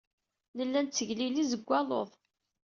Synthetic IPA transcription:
nəlːænt͡sːəʝlilizəɡʷːɑlˤoðˤ

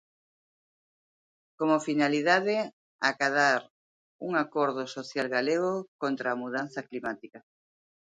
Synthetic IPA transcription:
komofinaliðaðe | akaðaɾ | uŋakoɾð̞osoθjalɣaleɣokont̪ɾaːmuð̞an̟θɐklimat̪ika

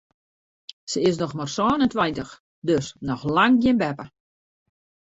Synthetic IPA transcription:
səɪs̬nɔxmarsɔːnəntwɛjntəx | døsnɔxlaŋɡjɪnbɛpə

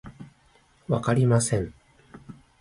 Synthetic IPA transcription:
βakaɾʲimasẽ̞ɴ

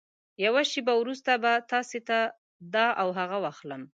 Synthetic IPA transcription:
jawaʃebawɾust̪abat̪ɑset̪a | d̪ɑʔawɦaɣawɑxləm

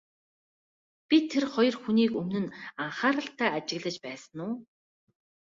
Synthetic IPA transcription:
pʲit̪ʰːerχɔjɞ̆rxuniːkɵmnɵ̆naɴχaːɾə̆ɬt̪ʰæːat͡ɕɪ̆ɣɮə̆t͡ɕpæːsə̆nʊː

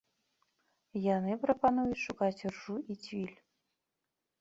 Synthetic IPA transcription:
janɨpɾɐpanujut͡sʲʂukat͡sʲrʐuit͡sʲvʲilʲ

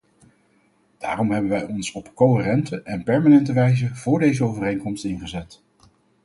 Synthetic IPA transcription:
d̥aːrɔmɦɛbənʋɛjɔnsɔpkoɪːrɛntəʔɛnpɛɹmanɛntəʋɛjzəv̥ʊːɹdejzəowvərejŋkɔmstɪnχəzɛt

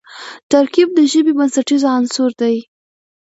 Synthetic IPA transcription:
t̪aɾkib̚d̪əʒəbibansaʈizoansuɾd̪aj

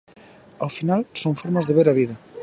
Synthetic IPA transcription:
awfinalsoŋfoɾmazðeβ̞eɾaβ̞iðɐ

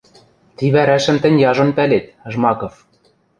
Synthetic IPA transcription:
t̪iβæɾæʃɘ̆mt̪ɘ̆nʲjɑʒɤ̆npælet̪̆̚ʒmɑkŏf

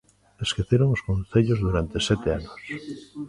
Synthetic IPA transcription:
eskeθeɾoŋoskõnθeʎozðuɾant̪esɛt̪eanos

